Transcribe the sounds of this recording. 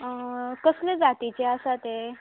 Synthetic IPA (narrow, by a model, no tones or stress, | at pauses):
əkəsled͡zat̪it͡ɕeasat̪e